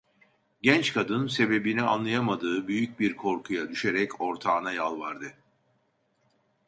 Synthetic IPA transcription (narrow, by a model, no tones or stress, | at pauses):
ɟɛnt͡ʃkʰad̪ɯnse̞be̞binia̰nlˠajamad̪ɯːbyjyc̚biɾkʰo̞ɾkʰujad̪yʃe̞ɾɛcʰo̞ɾt̪ʰaːnajalˠvaɾd̪ɯ